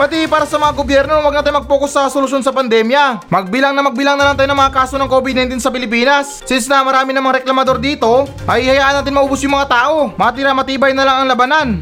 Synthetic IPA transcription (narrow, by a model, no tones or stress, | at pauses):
pɐt̪ipaːɾɐsɐmɐŋaɡobjɛɾno̞wɐɡ̚nɐt̪ajnmɐɡ̚poːkosːɐɾɛsolʊs̬jonsɐpɐnd̪ɛmjɐmɐɡ̚bɪlaŋnɐmɐɡ̚bɪlaŋnɐlaŋt̪ajonɐŋmɐŋakaːso̞nɐŋko̞bɪd̪nɐjnt̪insɐpɪlɪpiːnɐs | sɪnsnɐɐmɐɾaːmɪnɐŋmɐŋaɾɛklɐmɐd̪o̞ɾd̪iːt̪o̞ | ʔɐjhɐjaːʔɐnːaːt̪ɪnmɐʔobʊsjʊŋmɐŋat̪aːʔo̞mɐɐt̪ɪɾamɐt̪iːbɐjnɐlaŋɐŋlɐbanan